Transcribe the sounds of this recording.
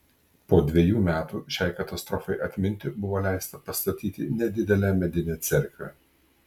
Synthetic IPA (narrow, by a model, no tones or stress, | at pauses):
poːd̪ʲʋʲejuːmʲæːt̪uːʃʲɛɪkɐt̪ɐst̪ɾɔfɐɪʔɐt̪ʲmʲɪnʲt̪ʲɪbʊʋoːlʲæˑɪst̪ɐpɐst̪ɐt̪ʲiːt̪ʲɪnʲɛd̪ʲɪd̪ʲɛlʲæːmʲɛd̪ʲɪnʲɛːt̪sʲɛɾʲklʲɛ̰